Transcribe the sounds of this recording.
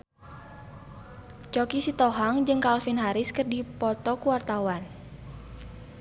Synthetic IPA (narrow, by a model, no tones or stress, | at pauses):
t͡ʃɔkisit̪ɔɦaŋd͡ʒɨŋkalfinɦaɾɪskərdipɔt̪ɔkuwart̪awan